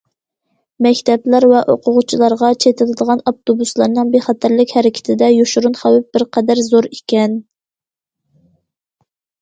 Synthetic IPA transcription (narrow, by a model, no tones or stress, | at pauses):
mɛkʲt̪ʰɛplæɾvɛʔoqʰʊʁʊt͡ʃʰilˠɑɾʁɑt͡ʃʰet̪ʰɪlɨd̪əʁɑnɑp̚t̪obuslˠɑɾnɨŋbeχɑt̪ʰæɾlɪkʲhæɾɪkʲʰɪ̥t̪ʰɪd̪ɛjoʃuɾunχæwɪp̚bɪɾqʰɛd̪æɾzoɾikʲɛn